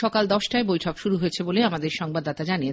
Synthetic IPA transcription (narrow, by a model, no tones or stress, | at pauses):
ɔkald̪ɔʃʈaebojʈʰɔkʃuɾuɦoet͡ɕʰeboleamad̪eɾʃɔŋbad̪ːat̪ad͡ʑanie